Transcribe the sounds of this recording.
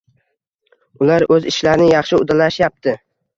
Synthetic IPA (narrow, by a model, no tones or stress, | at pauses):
ʊlaɾɵzɪʃlaɾnɪjɑχʃɪʊd̪alaʃjap̚t̪ʰɪ